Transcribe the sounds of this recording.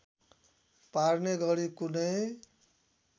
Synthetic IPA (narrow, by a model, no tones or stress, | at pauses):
paɾneɡʌɾikunʌj